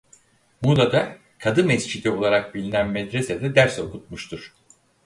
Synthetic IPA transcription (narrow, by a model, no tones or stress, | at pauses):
mud̪ˠad̪a | kʰad̪ɯmɛsd͡ʒid̪io̞lˠaɾak̚bilʲinænmɛd̪ɾe̞sed̪ɛd̪æɾso̞kut̪̚muʃt̪ʰuɾ̥